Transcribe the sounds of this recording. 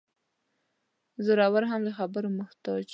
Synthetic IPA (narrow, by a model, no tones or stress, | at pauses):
zʊɾɑwaɾɦamd̪əxabəɾoməxt̪ɑt͡ʃ